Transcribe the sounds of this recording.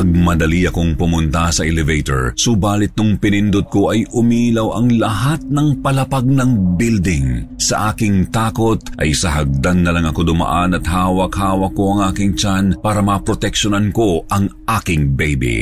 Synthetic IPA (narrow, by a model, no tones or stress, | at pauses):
ɐɡ̚mɐd̪ɐliɐkoŋpʊmʊnt̪ɐsɐʔɛlɛvejt̪o̰ɹsʊbaːlɪt̪̚nʊŋpɪnɪnd̪od̪̚koʔɐjʔʊmilɐwɐŋlɐhat̪̚nɐŋpɐlɐpaɡ̚nɐŋbild̪ɪŋsɐ̰ʔaːkɪŋt̪aːko̞t̪̚ʔɐ̰jsɐɦɐɡ̚d̪anːɐlɐŋɐkod̪ʊmɐ̰ʔanɐt̪haːwɐkhaːwɐkːoɐŋʔaːkɪŋt͡ʃanpaːɾɐmɐpɾot̪ɛkʃonɐnko̞ʔɐŋʔaːkɪŋbɛjbḭ